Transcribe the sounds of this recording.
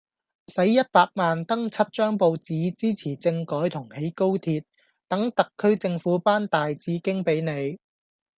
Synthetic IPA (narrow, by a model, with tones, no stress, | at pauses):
sɐ˨˥jjɐ˥t̚paː˧k̚maː˨nt̪ɐ˥ŋt͡sʰɐ˥t̚t͡ʃœː˥ŋpo˧wt͡siː˨˥t͡siː˥t͡sʰiː˨˩t͡sɪ˧ŋkɔː˨˥jt̪ʰʊ˨˩ŋhe˨˥jko˥wt̪ʰiː˧t̚ | t̪ɐ˨˥ŋt̪ɐ˨kʰːɵ˥ɥt͡sɪ˧ŋfuː˨˥paː˥nt̪aː˨jt͡siː˨˥kɪ˥ŋpe˨˥jne˨˧j